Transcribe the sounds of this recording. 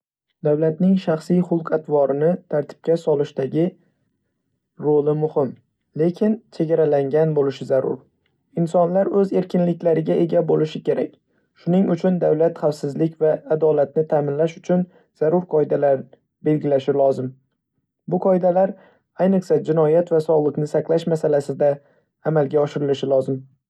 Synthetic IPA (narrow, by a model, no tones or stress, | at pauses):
d̪awlat̪nɪŋʃaχsijχʊlˠqat̪ʰvɒɾɪnɪt̪ʰaɾt̪ʰɪ̥p̚kʲasɒlɪʃt̪aɡʲɪ | ɾolɪmʊhɪm | le̞kʲʰɪnt͡ʃʰe̞ɡʲaɾalaŋɡʲanbolɪʃɪzaɾʊ̰ɾ | ɪnsɒnlaɾɵze̞ɾkʲɪnlɪkʲlaɾɪɡʲaʔe̞ɡʲabolɪʃɪkʲʰe̞ɾakʲ | ʃʊnɪŋʊt͡ʃʰʊnd̪awlat̪χafsɪzlɪkʲvaːd̪ɒlat̪̚nɪt̪ʰaːmɪnlaʃʊt͡ʃʰʊn | z̥aɾʊɾqʰɒɪd̪alaɾ | be̞lɡʲɪlaʃɪlˠɒzɪm | bʊqʰɒjɪd̪alaɾ | ajnɨqsad͡ʒɪnɒjat̪vasɒlˠɨqnɪsaqlˠaʃmasalasɪd̪aː | malɡʲaɒʃɪɾɪlɪʃɪlˠɒzɪm